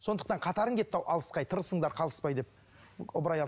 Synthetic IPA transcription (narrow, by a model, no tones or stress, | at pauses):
so̞nd̪əq̚t̪ɑɴqʰɑt̪ɑɾəŋɡʲʰe̞t̪ːɑwʔɑlˠəsqɑjt̪ʰəɾəsəɴd̪ɑɾqʰɑlˠəspɑjd̪e̞p̚ | ʊbɾɑjɑ